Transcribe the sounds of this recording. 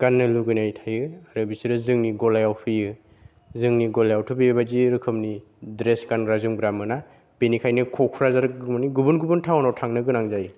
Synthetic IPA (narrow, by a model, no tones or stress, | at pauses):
ɡanːɯluɡɯnajtʰajɯaɾɯbisiɾɯzɯŋniɡɔlajawpʰɯjɯ | zɯŋniɡɔlajawtʰubijɯbaziɾɯkʰɯmni | dɾesɡanɾazuŋɡɾamɯna | benikʰajnɯkʰɔkʰuɾazaɾɡmaniɡubunɡubuntʰawnawtʰaŋnɯɡɯnaŋzajɯ